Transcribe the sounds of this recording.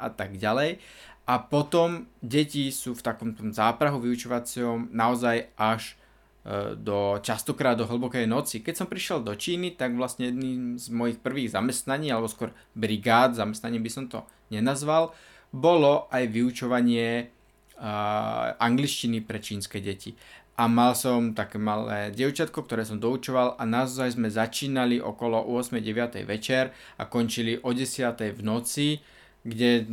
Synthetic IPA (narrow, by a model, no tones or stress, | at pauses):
ʔa̰t̪aɡɟalɛjʔapɔt̪ɔmɟɛcisuːft̪akɔmt̪ɔmzaːpɾaɦuʋiut͡ʃɔʋat͡sɪɔmnaɔzajʔaʒ | d̪ɔt͡ʃast̪ɔkɾaːd̪ːɔɦl̩bɔkɛjnɔt͡sikɛcsɔmpɾiʃɪɛld̪ɔt͡ʃiːnit̪aɡʋlasɲɛjɛd̪niːmzmɔjixpr̩ʋiːɣzamɛst̪naɲiːalɛbɔskɔɾ | bɾiɡaːd̪zamɛst̪naɲiːmbisɔmt̪ɔ̰ | ɲɛnazʋal | bɔlɔʔajʋiut͡ʃɔʋaɲɪɛ | ʔaŋɡliʃcinipɾɛt͡ʃiːnskɛɟɛciʔamalsɔmt̪akɛmalɛ̰ːɟɪɛʊt͡ʃat̪̚kɔk̚t̪ɔɾɛːs̬ɔmd̪ɔut͡ʃɔʋalʔanaʊzajzmɛzat͡ʃiːnaliʔɔ̰kɔlɔʔʊɔsmɛjɟɛʋɪat̪ɛ̰jʋɛt͡ʃɛɾa̰kɔnt͡ʃiliʔɔɟɛsɪat̪ɛjvnɔt͡si | ɡɟɛ